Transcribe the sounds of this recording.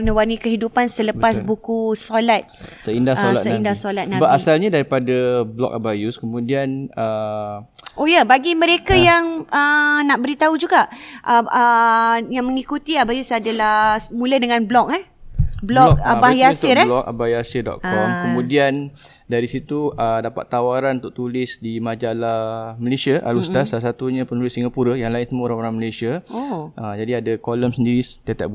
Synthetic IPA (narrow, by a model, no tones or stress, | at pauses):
nəwarnikəɦidupansələpassbukusolat̪̚səindasola̰t̪̚səindasolat̪̚nãbəasalɲadaɾipadablɔ̰k̚abajuskəmũdianə | ʔojabaɡimə̃ɾekajaŋənaʔbəɾit̪aud͡ʒuɡaʔʔəəjaŋməŋikut̪iabajusadalahmũlədəŋãnblɔk̚ablɔk̚abaiasɪɾlɔka̰bajasidɔ̰t̪̚kɔmkəmũdian | daɾisit̪uʔədapa̰t̪ːawaɾanunt̪ʊk̚t̪ulɪsdimad͡ʒalaməlesiaʔa̰lust̪asalas̬at̪uɲãpənulɪsiŋɡapuɾəjaŋlaɪnsəməɾanoɾanməlesiaoʔəd͡ʒadiadakɔləmsəndiɾit̪at̪ɛ̰ʔ̚b